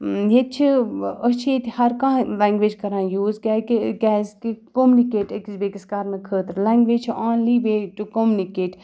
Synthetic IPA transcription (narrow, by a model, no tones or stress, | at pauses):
jet̪̚t͡ʃʰiət͡ʃʰeːt̪hɐɾkãːlɛ̃ːŋɡʋeːd͡ʒkɐɾãːjuːzkɛɡɛːzkikoːmunikeːʈəkizbeːkiskaːɾnɐkʰəːt̪ɾlɛ̃ːŋɡʋeːt͡ʃʰaːnliːbeːʈukomunikeːʈ